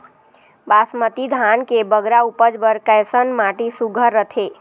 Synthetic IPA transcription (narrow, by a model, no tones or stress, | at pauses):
basmət̪id̪ʱankebəɡɾaupəd͡ʒbəɾkəjsənmaʈisuɡʱəɾːət̪ʰe